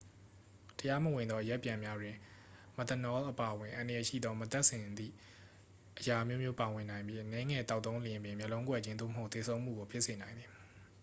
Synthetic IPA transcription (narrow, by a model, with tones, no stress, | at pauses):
təja˦mə˨wɪ̃˨nd̪ɔ˦ʔəjɛ˦ʔpːjã˨mja˦dwɪ̃˨ | mə˨t̪ə˨nɔ˦lʔəpa˨ʔəwɪ̃˨ʔã˨ndə˨jɛ˨ʃḭ˦˨d̪ɔ˦mət̪ɛ˦ʔsɪ̃˨d̪ḭ˦˨ | ʔəja˨ʔmjo˦mjo˦pa˨wɪ̃˨nã˨ɪ̃mbji˦ʔənɛ˦ŋɛ˨t̪a˦t̪ːõ˦ʊ̃˦ljɪ̃˦˨pjɪ̃˨mjɛ˨lõ˦ŋkwɛ̰˦˨d͡ʑɪ̃˦nd̪o̰˦˨məɦo˦ʊt̪e˨sʰõ˦ʊ̃m̥ṵ˦˨ɡo˨pʰjɪ˦ʔse˨nã˨ɪ̃nd̪ði˨